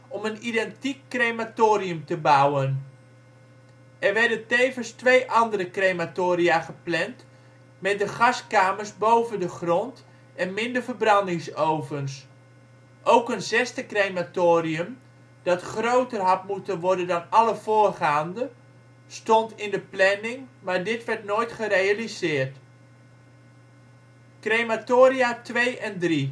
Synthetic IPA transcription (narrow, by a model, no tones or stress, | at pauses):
ɔmənidɛntikːrematoːriəmtəbawən | ɛrʋɛrdəntejvənstʋejʔɑndəɾəkrejmatoːɾiaχəplɛnt | mɛt̚dəχɑskaːmərsbowvəndəχrɔnt | ɛnmɪndərvərbrɑndɪŋsowvəns | ʔowkənzɛstəkrejmatoːɾiəm | dɑtχrowtərɦɑt̚mutənʋɔɹdəndɑnɑləv̥oːrχaːndə | stɔntɪndəplɛnɪŋmaːɹdɪtʋɛɹtnoːjtχərejalizɪːrt | krejmatoːɾiatʋejɛndri